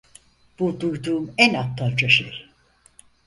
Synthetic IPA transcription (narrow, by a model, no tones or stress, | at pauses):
b̥ud̪ujd̪uːmɛnat̪land͡ʒaʃeɾ